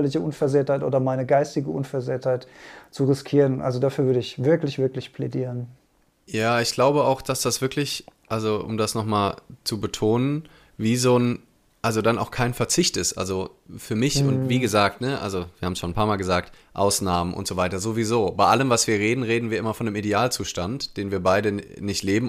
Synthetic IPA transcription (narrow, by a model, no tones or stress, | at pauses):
lɪçəʔʊnfɛɐzeːɐthaɪtʔo̰ːdɐmaɪnəɡaɪstɪɡəʔʊnfɛɐzeːɐthaɪtt͡suʁɪskʰiːʁənʔa̰lzodafyːɐvʏɐdəɪçv̥ɪɐklɪçv̥ɪɐklɪçpʰlɛdiːʁən | jaːɪçɡ̥laʊbəaʊxd̥asd̥asv̥ɪɐkʰlɪçʔalzoʔʊ̰mdasnɔχmaːlt͡subətʰoːnən | viːzoːn | ʔalzodanʔa̰ʊxkʰaɪnfɛɐt͡sɪçtʔɪstʔa̰lzofyːɐmɪçʊntviːɡəzaːk̚tnəʔa̰lzoviːɐhaːm̩sʃoːnpʰaːɐmaːlɡəzaːk̚t | ʔa̰ʊsnaːmənʔʊ̰ntz̥ovaɪtɐzoːviːzoːbaɪʔaləmvasv̥iːɐʁeːdn̩ʁeːdn̩viːɐɪmɐfɔndəmideaːlt͡suːʃtantd̥eːnviːɐbaɪdənɪçtleːbm̩